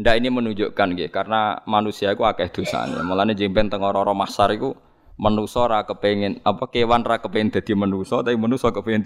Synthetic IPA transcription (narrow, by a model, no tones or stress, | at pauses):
ndaʔinimənuɲd͡ʒoʔkankikarnamanusiaikuakɛhd̪̥o̤sa̰nḛa̰mulaned͡ʒimpɛŋnt̪əŋɔɾɔɾɔmasaɾiku | mənusɔɾakəpeŋɪnapakewanrakəpeŋɪŋd̪̥a̤d̪̥i̤mənusɔt̪aimənusɔkəpeɪn